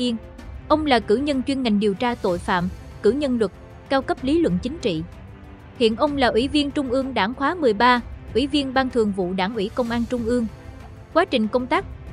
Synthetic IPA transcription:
i˧ən | ʔə˧wŋ͡mlaː˨˩kɨ̰˧˩ɲə˧nt͡ɕwi˧ənŋa˨˩jŋ̟ɗi˨˩əwt͡ɕaː˧t̪o̰˧˨jfa̰ː˧˨m | kɨ˧˩ɲə˧nlwə˨˩t̚ | kaː˧wkə˦˥p̚li˨˦lwə̰˧˨nt͡ɕï˨˦ŋ̟t͡ɕḭ˧˨ | hḭ˧˨ənʔə˧wŋ͡mlaː˨˩ʔwi˧˩˦vi˧ənt͡ɕʊ˧ŋ͡mʔɨ˧əŋɗaː˧˩ŋxwaː˨˦mɨ˨˩əjɓaː˧ʔwi˧˩˦vi˧ənɓaː˧nt̪ʰɨ˨˩əŋvṵ˧˨ɗaː˧˩ŋʔwi˧˩kə˧wŋ͡mʔaː˧nt͡ɕʊ˧ŋ͡mʔɨ˧əŋ | kwaː˨˦t͡ɕï˨˩ŋ̟kə˧wŋ͡mt̪aː˦˥k̚

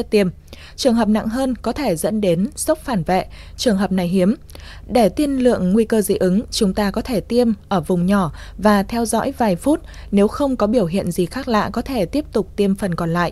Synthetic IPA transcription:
t̪i˧əm | t͡ɕɨ˨˩əŋɦəː˨˩p̚na̰˧˨ŋɦəː˧nkɔ˨˦t̪ʰe˧˩zə̰˧˥nɗe˨˦nsə˦˥k͡p̚faː˧˩nvɛ̰˧˨ | t͡ɕɨ˨˩əŋɦəː˨˩p̚na˨˩jɦi˨˦əm | ɗe˧˩t̪i˧ənlɨ̰˧˨əŋːwi˧kəː˧zḭ˧˨ʔɨ˨˦ŋt͡ɕʊ˨˦ŋ͡mt̪aː˧kɔ˨˦t̪ʰe˧˩t̪i˧əmʔəː˧˩vʊ˨˩ŋ͡mɲɔ˧˩vaː˨˩t̪ʰɛ˧wzɔ̰˧˥jvaː˨˩jfu˦˥t̚ | ne˨˦wxə˧wŋ͡mkɔ˨˦ɓi˧˩əwɦḭ˧˨ənzi˨˩xaː˦˥k̚la̰ː˧˨kɔ˨˦t̪ʰe˧˩t̪i˦˥əp̚t̪ʊ˨˩k͡p̚t̪i˧əmfə˨˩nkɔ˨˩nla̰ː˧˨ʔ

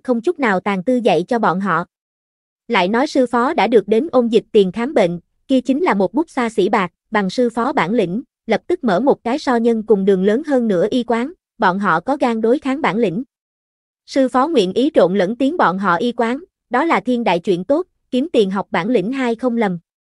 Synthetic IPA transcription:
xə˧wŋ͡mt͡ɕʊ˦˥k͡p̚naː˨˩wt̪aː˨˩ŋt̪ɨ˧zə̰˧˨jt͡ɕɔ˧ɓɔ̰˧˨nɦɔ̰˧˨ | la̰ː˧˨jnɔ˨˦jsɨ˧fɔ˨˦ɗa̰ː˧˥ɗɨ˨˩ək̚ɗe˨˦nʔo˧nzi˨˩k̚t̪i˨˩nxaː˨˦mɓḛ˧˨n | ki˧ət͡ɕï˨˦ŋ̟laː˨˩mo˨˩t̚ɓʊ˦˥k͡p̚saː˧sḭ˧˩ɓaː˨˩t̚ɓa˨˩ŋsɨ˧fɔ˨˦ɓaː˧˩nlḭ˧˥ŋ̟ | lə˨˩p̚t̪ɨ˦˥k̚mə̰ː˧˩mo˨˩t̚kaː˨˦jsɔ˧ɲə˧nkʊ˨˩ŋ͡mɗɨ˨˩ŋ͡mləː˨˦nɦəː˧nːɨ̰˧˥əʔi˧kwaː˨˦ŋ | ɓɔ̰˧˨nɦɔ̰˧˨kɔ˨˦ɣaː˧ŋɗo˨˦jxaː˨˦ŋɓaː˧˩nlḭ˧˥ŋ̟ | sɨ˧fɔ˨˦ŋwḭ˧˨ənʔi˨˦t͡ɕo̰˧˨nlə̰˧˥nt̪i˨˦əŋɓɔ̰˧˨nɦɔ̰˧˨ʔi˧kwaː˨˦n | ɗɔ˨˦laː˨˩t̪ʰi˧ənɗa̰ː˧˨jt͡ɕwḭ˧˨ənt̪o˦˥t̚ki˨˦əmt̪i˨˩ənɦa˨˩wk͡p̚ɓaː˧˩nlḭ̈˧˥ŋ̟ɦaː˧jxə˧wŋ͡mlə˨˩m

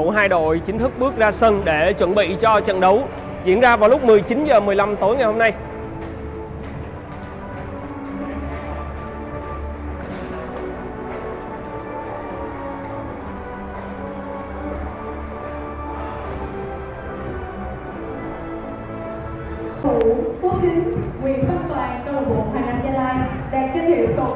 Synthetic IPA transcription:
u˧˩ɦaː˧jɗo̰˧˨jt͡ɕï˨˦ŋ̟t̪ʰɨ˦˥k̚ɓɨ˦˥ək̚zaː˧sə˧nɗe˧˩t͡ɕwə˧˩nɓḭ˧˨t͡ɕɔ˧t͡ɕə̰˧˨nɗə˨˦w | zḭ˧˨ənzaː˧vaː˨˩wlʊ˦˥k͡p̚mɨ˨˩əjt͡ɕi˨˦nzəː˨˩mɨ˨˩əjla˧mt̪o˨˦jŋa˨˩jho˧mna˧j | t̪u˧˩˦so˦˥t̚t͡ɕï˧ŋ̟˦˥kwḭ˨˧˨ənxə˧˥mt̪waː˨˩ŋkəː˧wɓo̰˧˨˦nʔaː˧˩laː˧˩n̚ɲaː˧laː˧jɗɛ˨˩ki˧n̚hḭ˨˧˩əwkə˧˨˩

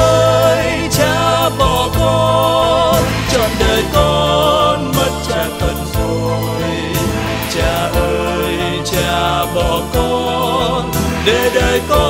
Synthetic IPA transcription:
ʔə˧j | t͡ɕaː˧˩ɓɔ˧˩kɔ˧ | n | t͡ɕɔ̰˧˨nɗəː˨˩jkɔ˧nmə˦˥t̚t͡ɕa˧˨˩ŋt̪ʰə˨˩nfu˧˦ | t͡ɕaː˧˩ʔəː˧ | j | t͡ɕaː˧˩ɓɔ˧˩kɔ˧nɗe˨˧˩ɗəː˨˩jkɔ˧

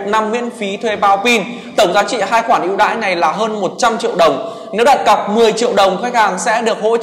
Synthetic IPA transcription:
na˧mŋwḭ˧˥ənfi˨˦t̪ʰwe˧ɓaː˨˧˦wki˧n | t̪ə˧˩wŋ͡mzaː˨˦t͡ɕḭ˧˨ɦaː˧jxwaː˧˩nʔḭ˧˥wɗa̰ː˧˥jna˨˩jlaː˨˩ɦəː˧nmo˨˩t̚t͡ɕa˧mt͡ɕḭ˧˨əwɗə˨˩wŋ͡m | ne˨˦wɗa̰ː˨˩t̚ɣa˨˩p̚mɨ˨˩əjt͡ɕḭ˧˨əwɗə˨˩wŋ͡mxa˦˥jk̚haː˨˩ŋsɛ̰˧˥ɗɨ˨˩ək̚ho̰˧˥

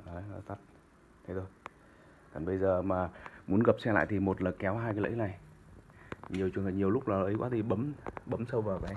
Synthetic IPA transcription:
ʔəː˨˦nɔ˨˦t̪a˦˥t̚ | t̪ʰe˨˦t̪o˧j | kɔ˨˩ɓə˧jzəː˨˩maː˨˩mu˨˦ənɣə˨˩p̚sɛ˧la̰ː˧˨jt̪ʰi˨˩mo˨˩t̚laː˨˩kɛ˨˦wɦaː˧jkaː˨˦lə̰˧˥jna˨˩j | ɲi˨˩əwt͡ɕwənh̚ɲi˨˩əwlʊ˦˥k͡p̚laː˨˩ʔə˨˦jkwaː˨˦t̪i˨˩ɓə˨˦mɓə˨˦msə˧wvaː˨˩wkaː˨˦

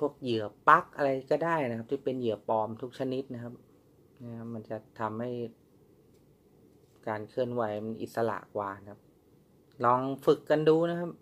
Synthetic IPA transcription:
pʰu˥˩ək̚jɯ˨˩˦əpa˦˥k̚ʔa˧ɾa˧jkɔː˥˩daː˥˩jna˦kʰa˦˥p̚t̪ʰiː˥˩pe˧njɯ˨˩˦əpɔː˧mt̪ʰu˦˥k̚t͡ɕʰa˧ni˦˥t̪̚na˦˥kʰa˦˥p̚ | na˦˥˩a˦˥ma˧nt͡ɕa˨˩t̪ʰa˧mha˥˩j | kaː˧nkʰɯ˥˩ənwa˨˧˦jma˧nʔḭ˨˩t̪̚sa˧la̰˨˩ʔkwaː˧˩kʰa˦˥p̚ | lɔː˧ŋfɯ˨˩kːa˧nduː˧na˦˥kʰa˦˥p̚

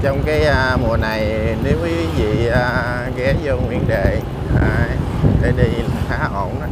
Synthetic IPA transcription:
t͡ɕɔ˧wŋ͡mkaː˨˦jʔəː˧mu˨˩əna˨˩jne˨˦wki˨˦i˨˦vḭ˧˨əː˧˨˩ | ɣɛ˨˦zɔ˧ŋwi˧˨ənɗḛ˧˨ | fa˧˩ | ɗe˧˩ɗi˧xaː˨˦ʔo˧˩n˦

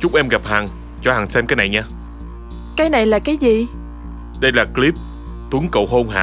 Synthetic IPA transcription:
t͡ɕʊ˦˥ŋ͡mʔɛ˧mɣa˨˩p̚haː˨˩ŋ | t͡ɕɔ˧˩˦haː˨˩sɛ˧mkaː˨˦jna˨˩jɲaː˧ | kaː˨˦jna˨˩jlaː˨˩kaː˨˦jzi˨˩ | ɗə˧jlaː˨˩kli˦˥p̚ | t̪u˨˦əŋkə̰˧˨wɦo˧ŋ͡mɦa̰ː˧

